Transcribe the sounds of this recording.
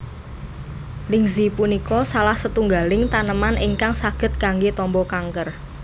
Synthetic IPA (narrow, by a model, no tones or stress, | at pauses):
lɪŋzipunikɔsalahsət̪uŋɡalɪŋt̪anəmanʔiŋkaŋsaɡ̥ə̤t̪̚ɡaŋɡet̪ɔmbɔkaŋkər